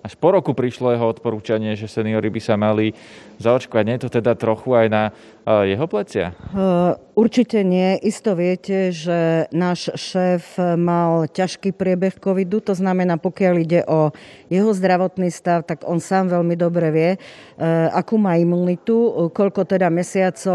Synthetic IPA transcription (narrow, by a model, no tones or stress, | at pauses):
aʃpɔɾɔkupɾiʃlɔjɛɦɔɔt̪pɔɾuːt͡ʃaɲɪɛʒɛsɛniɔɾibisamali | zaɔt͡ʃkɔʋaɟɲɛjɛt̪ɔt̪ɛd̪at̪ɾɔxuajna | jɛɦɔplɛt͡sɪa̰ | uɾt͡ʃicɛɲɪɛʔist̪ɔʋɪɛcɛʒɛnaːʃʃɛːfmalcaʃkiːpɾɪɛbɛxkɔʋid̪ut̪ɔznamɛnaːpɔkɪaliɟɛʔɔjɛɦɔzd̪ɾaʋɔt̪niːst̪aʊt̪aɡɔnsaːmʋɛʎmid̪ɔbɾɛʋɪɛ | akuːmaːimunit̪ukɔʎkɔt̪ɛd̪amɛsɪat͡sɔ